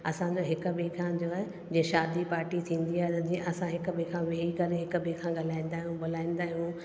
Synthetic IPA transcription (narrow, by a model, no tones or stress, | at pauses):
ɐsãd͡ʑoɦɪkʊ̆bikʰãd͡ʑoaɦe | d͡ʑĩẽʃaːd̪ipaːɾʈit̪ʰĩːn̆d̪iaːɦet̪ɐd͡ʑĩːẽʔɐsãɦɪkə̆ɓikʰãʋeːikɐɾeɦɪkəbẽkʰãɠalaːĩːn̆d̪aːɦijũbʊl̤aːĩːnd̪aːɦijũ